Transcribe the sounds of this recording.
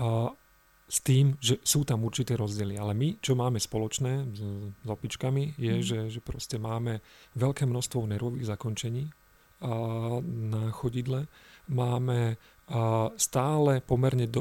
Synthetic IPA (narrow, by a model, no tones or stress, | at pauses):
st̪iːmʒɛsuːt̪amuɾt͡ʃit̪ɛːɾɔzɟɪɛlialɛmit͡ʃɔmaːmɛspɔlɔt͡ʃnɛːzɔpit͡ʃkamijɛʒɛʒɛpɾɔscɛmaːmɛʋɛʎkɛːmnɔst̪ʋɔʊnɛɾʋɔʋiːɣzakɔnt͡ʃɛɲiː | naxɔɟid̪lɛmaːmɛ | st̪aːlɛpɔmɛɾɲɛd̪